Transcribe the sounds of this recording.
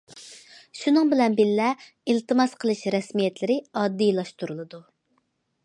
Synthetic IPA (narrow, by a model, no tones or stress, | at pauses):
ʃunɨŋbɪlɛnbilːɛ | ilt̪ɨmɑsqʰəlˠɨʃɾɛsmijɛt̪lɪɾɪɑd̪ːijlˠɑʃt̪uɾulˠɨd̪u